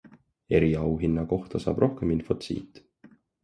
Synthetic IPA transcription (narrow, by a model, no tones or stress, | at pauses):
e̞ɾiɑwɦinːɑko̞ht̪ɑsɑ̰ːb̥ro̞hkeminfo̞t̪sḭːt̪